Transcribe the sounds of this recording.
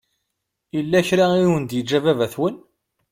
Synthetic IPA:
ilːæçɾaiwənd̪jəd͡ʒævævæθwən

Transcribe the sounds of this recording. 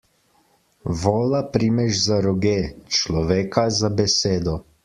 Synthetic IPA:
ʋɔːlapɾimɛʒzaɾɔɡeːt͡ʃlɔʋeːkazabɛseːd̪ɔ

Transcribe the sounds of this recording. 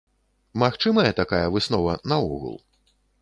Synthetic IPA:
maxt͡ʂɨmɐjɛt̪akajɐvɨsnɔvɐnɐuɣṵlˠ

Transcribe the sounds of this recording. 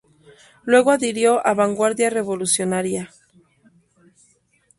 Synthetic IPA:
lwe̞ɣoaðiɾjo̞ʔaβaŋɡwaɾðjare̞βo̞lusjo̞naɾja

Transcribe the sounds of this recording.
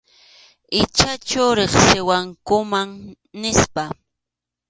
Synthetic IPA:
ɪt͡ʃat͡ʃʊɾeχsɪwaŋkʊmaŋ | nɪspa

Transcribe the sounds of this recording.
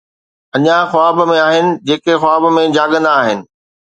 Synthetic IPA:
ɐɲãxʊaːbmẽaːɦɪnɪ̆d͡ʑeːkexʊaːbmẽd͡ʑaːɠə̃nd̪aːɦɪnɪ̆

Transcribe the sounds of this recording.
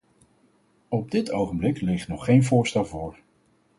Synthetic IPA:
ɔb̚dɪtʰowχəmblɪklɪχtnɔχːejnvʊːɹstɛlˠvʊːɹ

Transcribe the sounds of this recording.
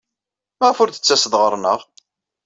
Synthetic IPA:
mæʁəfʊɾθə̥t͡sːæsəðʁəɾˤnəʁ

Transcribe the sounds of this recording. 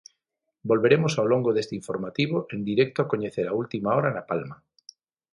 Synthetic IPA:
bolβeɾemosawloŋɡoðest̪eiɱfoɾmat̪iβ̞oʔend̪iɾɛk̚t̪oakoɲeθeɾault̪imaoɾanapalma

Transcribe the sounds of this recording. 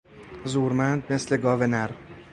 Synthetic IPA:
zuɾmænd̪̚me̞sle̞ɡɒːvenæɾ

